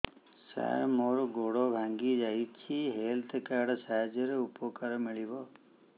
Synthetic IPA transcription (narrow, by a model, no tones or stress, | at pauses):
sa̰moːɾoɡoɽobʱãŋɡid͡ʒait͡ʃʰiɦeːlt̪kaɽsaːd͡ʒəɾeupokəɾmiɭibo